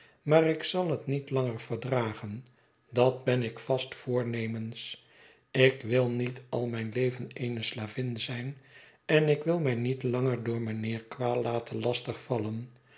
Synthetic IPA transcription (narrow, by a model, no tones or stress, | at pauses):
maːrɪksɑlˠɦətnitlɑŋəɹvəɹdraːχən | dɑd̚bɛnɪkfɑstfʊːɹnejməns | ɪkʋɪlˠnitɑ̰lˠmɛjnlejvənejnəslaːvɪnzɛjn | ɛnɪkʋɪlˠmɛjnitlɑŋəɹdʊːɹmənɪːɹkʋaːlaːtəlɑstəχfɑlən